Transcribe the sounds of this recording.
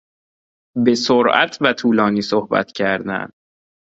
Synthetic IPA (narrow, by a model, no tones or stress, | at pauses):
be̞soɾʔæ̰t̪ʰvæt̪ʰuːlɒːniːsohbæ̰t̪ʰcʰæɾd̪æ̰nd̥̪